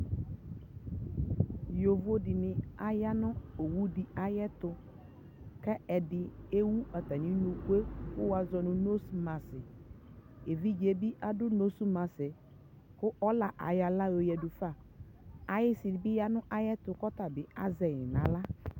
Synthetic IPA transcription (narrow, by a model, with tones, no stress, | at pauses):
jo˨vo˦dɪ˨nɪ˨a˨ja˦nʊ̃˦o˨wu˦dɪ˨a˨jɛ˦t̪ʊ˨ | kɛ˦ɛ˨dɪ˨e˦wu˦ɛ˨t̪a˨nĩ˦nũ˨ku˦e˦kʊ˦wa˨zɔ˨nʊ̃˨no˦su˦mã˨sɪ˨ | e˨vi˦d͡ʒe˨bi˦ʔa˨dʊ˦no˦su˦mã˨sɪ˨ | kʊ˦ʔɔ˦la˨ʔa̰˨ja˨la˦jo˨jɛ˨dʊ˨fa˦˨ | a˨jɪ˦sɪ˨dɪ˨bɪ˦ja˦nʊ̃˦ʔa˨jɛ˦t̪ʊ˨kɔ˦t̪a˨bɪ˨a̰˦zɛ˨jɪ˨nã˨la˦